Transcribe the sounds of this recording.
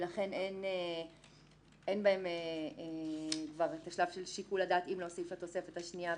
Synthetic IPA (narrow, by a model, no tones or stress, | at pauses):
laχe̞nene | enbaemeekvaʁet̪aʃlav̥ʃelʃikuladaːt̪imloosifhat̪o̞se̞fethaʃnia